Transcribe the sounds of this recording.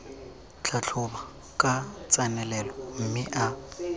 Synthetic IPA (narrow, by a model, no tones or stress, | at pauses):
t͡ɬʰat͡ɬʰʊba | kʼat͡sʼanɛlɛlɔm̩mɪʔa